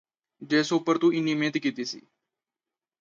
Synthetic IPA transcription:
d͡ʒeːsoːpəɾt̪uːɪniːmẽːt̪kiːt̪iːsḭː

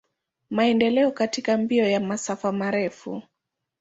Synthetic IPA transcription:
maɛndɛlɛɔkatikambiɔjamasafamaɾɛfṵ

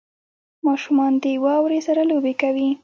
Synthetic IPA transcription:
mɑʃumɑnd̪ewɑwɾesaɾalobekawi

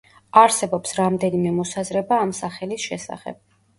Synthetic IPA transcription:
aɾsɛbɔpsɾamd̪ɛnimɛmɔsazɾɛbaːmsaχɛlisʃɛsa̰χɛ̰b̥̚

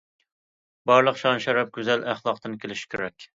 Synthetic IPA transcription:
bɑɾlˠəqʃɑnʃɛɾɛp̚ɡʲyzælæχlˠɑqt̪ɨnkʲʰelɪʃi̥kʲʰeɾɛkʲ

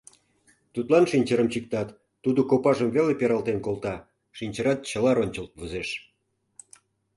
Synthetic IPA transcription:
t̪ut̪lɑnʃinʲt͡ɕəɾəmt͡ɕik̚t̪ɑt̪ː | ud̪okopɑʒəmvelepeɾɑlt̪enkolt̪ɑ | ʃinʲt͡ɕə̆ɾɑt̪̚t͡ɕə̆lɑɾonʲt͡ɕə̆lt̪̚βuzeʃ

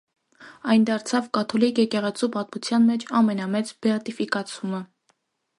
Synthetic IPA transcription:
ɑjnd̪ɑɾt͡sʰɑvkɑt̪ʰɔlikjɛkɛʁɛt͡sʰupɑt̪mut͡sʰjɑnmɛt͡ʃʰɑmɛnɑmɛt͡sbɛɑt̪ifikɑt͡sʰumə

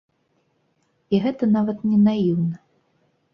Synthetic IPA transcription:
iɣɛt̪ɐnavɐt̪nʲɛnajiwnɐ

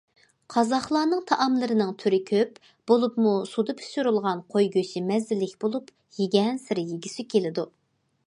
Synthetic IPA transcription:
qʰɑzɑχlˠɑːnɨŋt̪ʰɑʔɑmlˠɨɾɨnɨŋt̪ʰyɾɪkʲʰøp | b̥olˠupmusud̪ɨpʰy̥ʃyɾulˠʁɑnqʰojɡʲøt͡ʃɪmɛzɪlɪkʲb̥olˠup | jiɡʲɛnsɪɾɪjiɡʲisɪkʲʰelɪd̪u

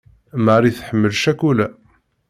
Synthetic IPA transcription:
maɾiθħəmːəlʃækːulæ

